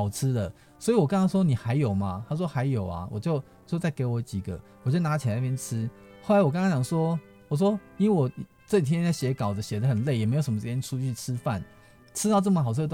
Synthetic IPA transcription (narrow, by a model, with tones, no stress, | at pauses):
ʊʈ͡ʂ̩ʰ˦˥d̪ə˨ | swɔ˧˥i˨wɔ˨˩ka˥ŋkɑ˥ŋs̬wɔ˥ni˨˩xa˧˦ɪjo˨˩ʊma˨t̪ʰa˥s̬wɔ˥xa˧˦ɪjo˨˩ʊa̰˨wɔ˨˩t͡ɕjo˥˧ʊ | t͡ɕjo˥˧ʊt͡sa˥˩ɪke˧˥ɪwɔ˨˦t͡ɕi˨˩ɡə̰˦ | wɔ˨˩t͡ɕjo˥˩ʊna˧˦˥t͡ɕʰi˨˩a˨˧˦na˥˧jɛ˥nʈ͡ʂ̩ʰ˥ | xo˥˩la˦ɪwɔ˨˩kɑ˥ŋkɑ̃˥ŋt͡ɕɑ˨˩ŋswɔ˥ | wɔ˨˩s̬wɔ˥ni˧˨wɔ˨˩ | t͡sɤ˥˧˨i˩t̪ʰjɛ˥˦a˥˩ɕjɛ˨˧˦kɑ˨˩ʊdə˦ɕɛ˨˩d̪ə˦xə˨˩nle˥˩ɪjɛ˨˩me˧˥ɪjo˨˩ʂə˦m˧ʂ̩ʰ˥˧˩jɛ˥n˥ʈ͡ʂʰu˥t͡ɕʰy˥˩ʈ͡ʂʰɻ̩˥fa̰˥˨n | ʈ͡ʂʰɻ̩˥t̪ɑ˥˧ʊʈ͡ʂɤ˥˩mə˩xɑ˨ʊʈ͡ʂ̩ʰ˥˧ə˧